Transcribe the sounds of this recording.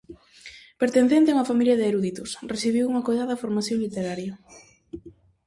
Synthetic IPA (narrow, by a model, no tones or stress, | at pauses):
peɾt̪enθent̪euŋɐfamiljɐðɪeɾuðit̪ʊsresθiβiwuŋɐkojðaðɐfoɾmaθjoŋlit̪eɾaɾjɐ